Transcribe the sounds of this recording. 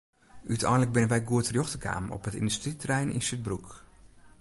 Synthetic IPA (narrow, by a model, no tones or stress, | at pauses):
ʔytʰɛ̰ːnlək̚bɪnənʋɛjɡuətərjɔxtəkʰa̰ːmɔ̰pətɪ̰ndystritrɛjnɪ̰nsyt̚bruk